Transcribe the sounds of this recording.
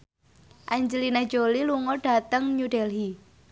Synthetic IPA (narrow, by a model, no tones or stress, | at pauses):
ʔaɲd͡ʒəlinad̥d͡ʒ̥oliluŋɔɖ̥a̤t̪əŋɲuɖ̥ɛlɦi